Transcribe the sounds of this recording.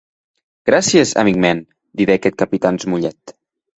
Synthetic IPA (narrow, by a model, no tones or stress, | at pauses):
ɡ̥ɾasjəzə̰mikmɛn | d̪iðɛkɛt̪̚kəpit̪anzmuʎɛt̪